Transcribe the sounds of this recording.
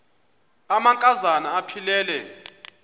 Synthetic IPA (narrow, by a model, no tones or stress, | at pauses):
amaŋkʼazanaːpʰilɛːlɛ